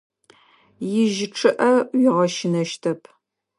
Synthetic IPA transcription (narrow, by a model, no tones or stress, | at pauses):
jɪʒɪʈ͡ʂʰɨʔɐjɪʁɐʃɪnɐʃtʰɐpʰ